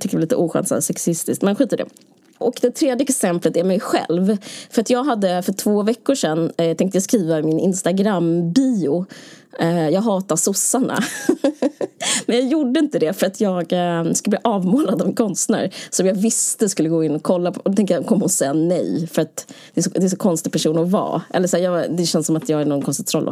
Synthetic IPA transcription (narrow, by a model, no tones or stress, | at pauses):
t̪ʏkəvaliːt̪ə̰ʔuːɧɛ̰nsa̰d̪sɛksɪst̪ɪskt̪mɛnɧiːt̪əɖɛ̰ | ʔɔkd̪ɛt̪ʰɾeːd̪jəɛksɛmplət̪æɾmɛjɧɛ̰lvfœɾat̪jɑːɡɦad̪ːəfœʈʰvoːvɛkːʊʂɛnt̪ʰɛŋkt̪əjaskɾiːvamɪnɪnst̪aɡɾambiːʊ | jɑːɡɦɑːt̪asʊsːaɳa̰ | mɛnjɑːjuɖːəɪnt̪əd̪ɛfœɾat̪ʰjɑːɡskɵlb̪iːʔɑːvmoːlad̪avmɪnkʰɔnst̪næ̰ɾsɔmjɑːɡvɪst̪əskɵlːəɡoːɪnːɔkʰːɔlːaɔd̪ɔt̪ɛŋk̪t̪jakʰɔmːɔsɛjːanɛjfœɾat̪d̪ɛːsɔd̪ɛːs̬ɔkʰɔnst̪ɪpʰæʂuːnɔvɑ̰ːʔɛ̰lːəʂæːjɑːd̪ɛɕɛnsɔmat̪jɑːɡænɔnkʰɔnst̪ɪɡ̚t̪ʰɾɔlːɔ̰